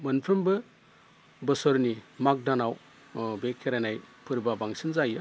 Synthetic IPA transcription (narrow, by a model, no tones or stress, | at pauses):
mɯnpʰɾɯmbɯ | bɯsɔɾnimak̚danaw | bekʰːeɾanajpʰɯɾbabaŋsinzajɯ